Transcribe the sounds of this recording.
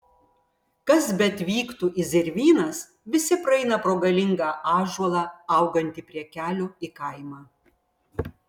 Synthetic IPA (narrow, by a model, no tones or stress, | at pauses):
kɐs̬bʲɛt̪ʋʲiːkt̪uːʔɪzʲɪɾʲʋʲiːnɐs | ʋʲɪsʲɪpɾɐɛɪnɐpɾoːɡɐlʲɪŋɡɑːʔɑːʒuɔlˠɑːɐʊɡɐnʲt̪ʲɪpʲɾʲiɛkʲæːlʲʊɪkɐɪmɑː